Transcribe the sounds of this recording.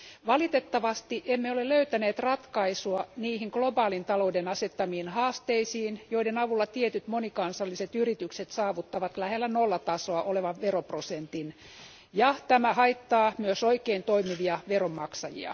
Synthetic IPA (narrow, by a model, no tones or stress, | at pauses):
ʋɑlit̪et̪ːɑʋɑst̪iʔemːeoleløyt̪æneːt̪rɑt̪kɑisuɑniːhiŋɡ̥lobɑːlint̪ɑloudenɑset̪ːɑmiːnhɑːst̪eisiːnjoidenɑʋulːɑt̪iet̪yt̪monikɑnsɑlːiset̪yrit̪ykset̪sɑːʋut̪ːɑʋɑt̪læhelːænolːɑt̪ɑsoɑʔoleʋɑʋʋeroprosent̪in | jɑt̪æmæhɑit̪ːɑːmyøsoikeint̪oimiʋiɑʋeromːɑksɑjḭɑ̰